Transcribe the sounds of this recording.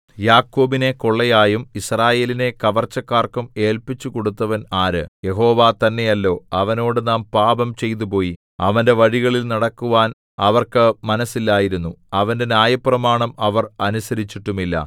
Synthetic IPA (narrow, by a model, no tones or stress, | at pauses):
jaːkːo̞ːbine̞ko̞ɭːɐjaːjumisraːje̞ːline̞kɐʋɐrt͡ɕːɐkːaːrkume̞ːlpit͡ɕːukoɽut̪ːɐʋɐnaːɾɨ̰je̞ɦo̞ːʋaːt̪ɐnːe̞jɐlːo̞ːɐʋɐno̞ːɽɨnaːmpaːbɐmt͡ɕe̞jt̪̬upo̞ːji | ɐʋɐnde̞ʋɐɻiɣɐɭilnɐɽɐkːuʋaːn | ɐʋɐrkɨmɐnɐsːilːaːjiɾunːuɐʋɐnde̞njaːjɐprɐmaːɳɐmɐʋɐrɐnusɐɾit͡ɕːiʈːumilːɐ̰